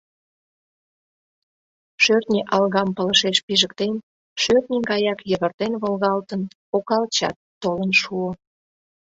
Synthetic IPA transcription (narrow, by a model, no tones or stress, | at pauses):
ʃørt̪nʲeʔɑlɣɑmpələʃeʃpiʒəkt̪en | ʃørt̪nʲiɡɑjɑkjəβərt̪enβolɣɑlt̪ən | okɑlt͡ɕɑ̰t̪ːolənʃuo